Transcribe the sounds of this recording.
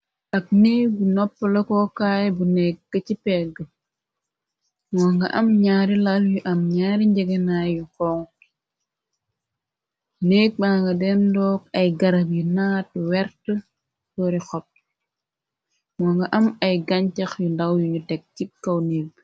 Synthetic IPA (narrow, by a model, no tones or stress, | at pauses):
ʔɐk̚neːbunɔpːɐlɐkɔkaːjbunɛk̚ɡ̥ɐcipɛɡə | mɔːŋɡɐʔɐmɲaːɾilɐljuʔɐmɲaːɾiɲɟɛɡɛnajukɔːŋ | neːk̚maːŋɡɐdɛndɔːk̚ɐjɡɐɾɐpjunaːt̚wɛɾtə | tɔɾixɔp̚ | mɔːŋɡɐʔɐmɐjɡɐɲcɐxjundɐwjuɲutɛk̚cikːɐwneːb